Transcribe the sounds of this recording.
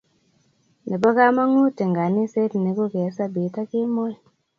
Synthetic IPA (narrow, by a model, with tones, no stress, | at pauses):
ni˨bɔ˦ka˦ma˦ŋu˦te˨ŋɡa˨ni˦se˦tni˨ku˦ke˨˦sa˦bi˨˦ta˦ki˦mo˦j